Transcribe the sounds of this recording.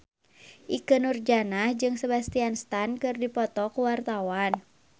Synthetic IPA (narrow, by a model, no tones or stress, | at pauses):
ʔikənurd͡ʒanahd͡ʒɨŋsəbast̪ianst̪ankɨrdipɔt̪ɔkuwart̪awan